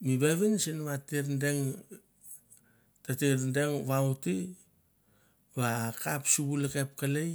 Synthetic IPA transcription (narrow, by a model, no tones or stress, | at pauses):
miβeβinsinβatiɾndeŋ | tatiɾndeŋβawti | βakapsuβuleke̞p̚kalej